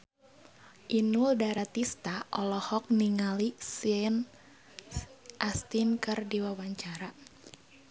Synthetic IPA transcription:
ʔinuldaɾat̪ist̪aʔɔlɔhɔk̚niŋalisɛn | ʔast̪inkɨrdiwawaɲt͡ʃaɾa

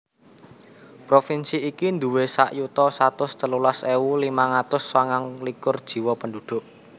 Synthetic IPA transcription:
pɾofinsiːkind̪ṳwesa̰ʔjut̪ɔsat̪ʊst̪əlulaseulimaŋat̪ʊswaŋaŋlikʊrd̥ʒ̥i̤wɔpəndud̪̥ʊ̤ʔ

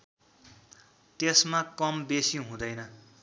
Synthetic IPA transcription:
t̪esmakʌmbesiɦũd̪ʌjnʌ

